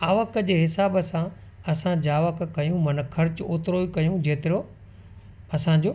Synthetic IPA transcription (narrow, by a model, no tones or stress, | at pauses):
aːʋəkəd͡ʑeːɦɪsaːbəsã | ɐsãd͡ʑaːʋəkkɐjũmɐnə̆kʰːɐɾt͡ɕʊoːt̪ɪɾoikɐjũd͡ʑeːt̪ɪɾo | ɐsãd͡ʑoː